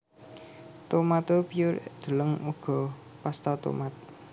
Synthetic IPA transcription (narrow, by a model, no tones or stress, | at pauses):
t̪omat̪opijʊɾd̪̥ə̤ləŋuɡ̥ɔ̤ | past̪at̪o̰mat̪̚